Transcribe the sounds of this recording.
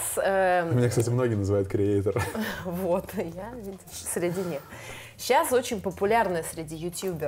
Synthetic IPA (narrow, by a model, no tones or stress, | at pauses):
səmɪnʲakst̪atʲɪmno̞ɡʲɪənəzɨvajʊt̪̚kɾʲɪejt̪ərvot̪javʲidʲɪʂsʲɾʲɪdʲinʲix | ɕaso̞t͡ɕɪnʲpəpʊlʲarnəjəsʲɾʲɪdʲijʊtʲjubʲɪ